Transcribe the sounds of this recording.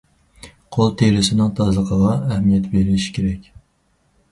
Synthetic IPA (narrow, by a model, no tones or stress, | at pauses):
qʰolˠt̪ʰelɪsɪnɪŋt̪ʰɑzlˠəqʰəʁɑæhmijɛt̪beɾɪlɪʃi̥kʲʰeɾɛkʲ